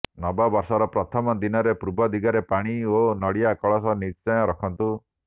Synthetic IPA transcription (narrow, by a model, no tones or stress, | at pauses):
nɔbɔbɔɾsɔɾɔpɾɔt̪ʰɔmɔd̪inɔɾepɾubɔd̪iɡaɾepaɽ̃ionɔɽijakɔɭɔsɔniɾt͡ʃɔj̃ɔɾɔkʰɔnt̪u